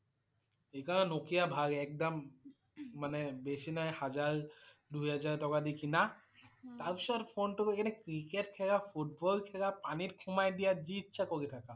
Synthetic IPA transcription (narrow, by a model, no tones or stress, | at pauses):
ejkɔɹnɛnokijabʱaɡɛk̚damː | anɛbesinajhazaɹduɦazaɹtɔkadikina | t̪aɹpistpʰonʈukekʰanɛkɾikeʈkʰɛɡapʰuʈ̚bɔlkʰɛɡapanitkʰumajdijad͡ʒitːʃʰakoɹitʰaka